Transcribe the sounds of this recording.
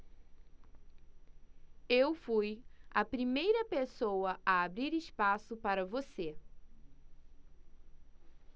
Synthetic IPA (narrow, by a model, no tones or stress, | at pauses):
ewfujɐpɾimejɾɐpesowɐʔɐabɾiɾɪspasʊpaɾɐvose